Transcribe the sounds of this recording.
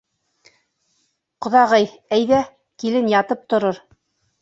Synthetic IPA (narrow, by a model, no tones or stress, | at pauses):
qŏðɑʁɤj | æjðæ | kilɘnjɑt̪ɤp̚t̪ŏɾoɾ